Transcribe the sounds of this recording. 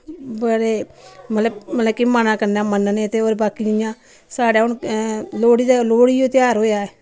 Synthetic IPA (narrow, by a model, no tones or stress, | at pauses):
bəɽeːmət̪ləbmət̪ləbkimanãːkəɾnãːmənneːət̪eːoːɾebaːkiːd͡ʒɪjãː | saːɽaːʊnloːɽiːd̪aloːɽiːd͡ʒõːt̪ɪjaːɾɦoːjaːɛː